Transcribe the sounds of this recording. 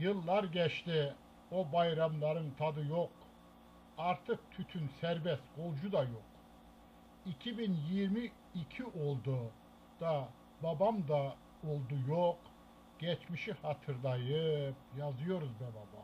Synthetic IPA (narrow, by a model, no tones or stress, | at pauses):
jɯlˠːaɾɟɛt͡ʃt̪i | obajɾamlˠɑɾɯnt̪ʰad̪ɯjoq | aɾt̪ʰɯq̚t̪ʰyt̪ʰynsɛɾbɛst̪ɡ̥olˠd͡ʒud̪ajoq | icʲʰibinjiɾmiː | cʰiʔolˠd̪u | d̪̥a | babamd̪a | olˠd̪ujoq | ɡ̥ɛt͡ʃʰmiʃihat̪ʰɯɾlˠajɯp̚jazɯjoɾuzbɛbaba